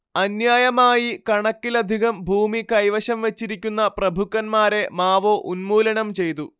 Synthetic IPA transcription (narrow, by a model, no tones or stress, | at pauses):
ɐnjaːjɐmaːjikɐɳɐkːilɐd̪ʱiɣɐmbʱuːmikɐjʋɐɕɐmʋe̞t͡ɕːiɾikʲːunːɐprɐbʱukːɐnmaːɾe̞maːʋoʔunmuːlɐɳɐmt͡ɕe̞jt̪u